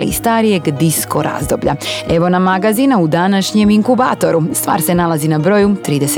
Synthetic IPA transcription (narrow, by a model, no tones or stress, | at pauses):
ḭst̪aːɾije̞ɡd̪isko̞ɾa̰ːzd̪o̞bʎa̰e̞ʋo̞namaɡazinaud̪anaʃɲe̞miŋkuba̰ːt̪o̞ɾust̪ʋa̰ːɾse̞nalˠazinabɾo̞ːjut̪ɾiːd̪es